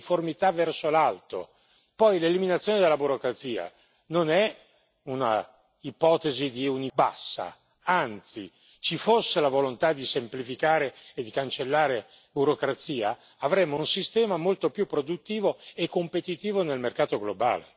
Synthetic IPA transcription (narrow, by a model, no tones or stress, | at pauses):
formit̪avɛrsolalt̪o̰ | pɔjleliminat̪sːjoːned̪elːabuɾokɾat̪siːa̰ | nonɛ | una̰ | ipɔːt̪ezid̪iunibasːa̰ | ant̪si | t͡ʃifosːelavolont̪ad̪isemplifikaːɾeːd̪ːikant͡ʃelːaːɾe | buɾokɾat̪siːaː | vɾɛmːounsist̪ɛːmamolt̪opjupːɾod̪ut̪ːiːvoekːompet̪it̪iːvonelmerkaːt̪oɡloba̰ːlḛ